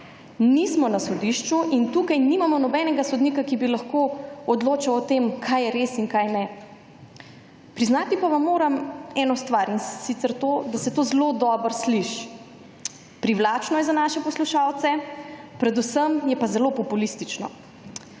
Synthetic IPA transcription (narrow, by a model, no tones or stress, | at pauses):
nismɔnasɔd̪iʃt͡ʃuʔint̪uːkajnimamɔnɔbɛnɛɡasɔd̪niːkakibilaxkoɔd̪loːt͡ʃawɔt̪emkʰajɛɾesiŋkajnɛ | pɾiznat̪ipaʋamːoːɾamɛnɔst̪ʋaɾinsit̪sɛɾt̪od̪asɛt̪oːzlod̪ɔːbəɾsliʃ | pɾiʋlat͡ʃnɔjɛzanaʃɛpɔsluʃawt̪sɛpɾɛd̪usəmjɛpazɛlopɔpulist̪it͡ʃnɔ̰